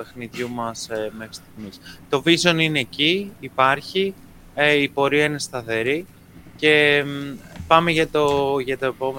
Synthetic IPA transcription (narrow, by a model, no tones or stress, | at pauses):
pe̞xniðʝumɐsmexɾi̥st̪iɣmist̪o̞viso̞nine̞ːciːpɐɾçi | ipo̞ɾiɐine̞st̪ɐθe̞ɾi | ce̞ | pɐme̞ʝɐt̪oʝɐt̪ɐepo̞me